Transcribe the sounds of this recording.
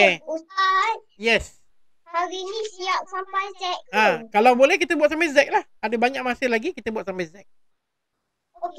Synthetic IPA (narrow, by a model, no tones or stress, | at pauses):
euat | jɛs | aɡinĩsiap̚sampajzɛk̚ãkalawbolɛhk̬it̪əbuat̪sampɛzɛk̚lahadəbaɲaʔ̚masəlaɡikit̪əbuwat̪̚sampɛzɛk̚ | ok